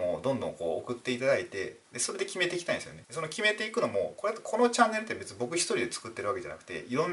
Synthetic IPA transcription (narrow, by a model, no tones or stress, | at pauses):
od̪õ̞nd̪õ̞ŋko̞ːo̰kɯ̟t̪ːe̞it̪ad̪ait̪e̞ | d̪e̞so̞ɾe̞d̪e̞kʲime̞t̪e̞ikʲit̪aĩnesɨjone̞d̪eso̞nokʲime̞t̪eikɯ̟no̞mo̞ko̞ɾet̪ːkʰo̞no̞t͡ɕãnːe̞ɾɯ̟t̪ːebe̞t͡sɨɲibo̞kɯ̟çʲi̥t̪o̞ɾid̪e̞t͡sɨ̥kɯt̪ːeɾβake̞d͡ʑa̰na̰kʰɯ̟̥t̪e̞̰iɾõ̞nː